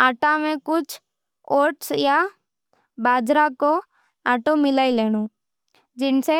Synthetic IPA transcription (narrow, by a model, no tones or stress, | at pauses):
aːʈãmẽkʊt͡ʃʰ | oːɾʈsja | baːd͡ʒɾako | aːʈomɪlaːileːɽ̃oː | d͡ʒɪnse